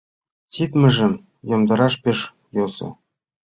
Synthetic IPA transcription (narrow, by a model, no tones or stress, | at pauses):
t͡sit̪mɘ̆ʒɘ̆m | jŏmd̪ɤ̆ɾɑʃpeʃ | josɤ̰̆